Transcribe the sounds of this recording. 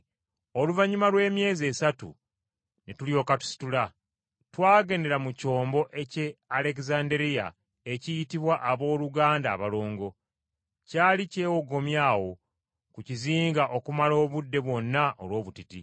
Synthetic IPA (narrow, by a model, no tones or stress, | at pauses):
o̞luvaɲumalwe̞ːmje̞ːze̞ːsatṵ | netuljo̞ːkatu̥si̥tula | twaːɡe̞ːnde̞ɾamuco̞ːmbo̞ʔe̞ce̞ale̞kzaːndeɾija̰ | e̞cijitiβwaʔːβo̞ːluɡaːndaːβaloːŋɡo̞ | caːlice̞ːwoɡo̞mjaːwo̞ | kuciziːŋɡaʔo̞kumalo̞ːβudːe̞βwo̞nːaolwo̞ːβutiti